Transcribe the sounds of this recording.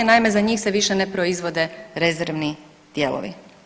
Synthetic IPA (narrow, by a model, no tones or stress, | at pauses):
enaime̞zaɲiːxse̞ʋiʃe̞ne̞pɾo̞izʋo̞d̪e̞ɾe̞zeɾʋni | d̪̥je̞lo̰ʋḭ